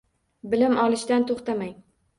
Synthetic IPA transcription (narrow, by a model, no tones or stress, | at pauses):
bɪlɪmʔɒlˠɪʃt̪ant̪ʰoχt̪amaŋ